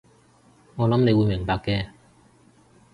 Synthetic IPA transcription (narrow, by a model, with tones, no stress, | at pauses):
ŋɔː˨˧lɐ˨˥mne˨˧jwuː˨˧jmɪ˨˩ŋpaː˧kːɛː˧